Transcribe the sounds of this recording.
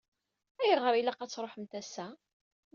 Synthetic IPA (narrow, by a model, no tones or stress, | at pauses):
æjəʁɾˤilaqæt͡sːɾˤoħəmt̪æsæ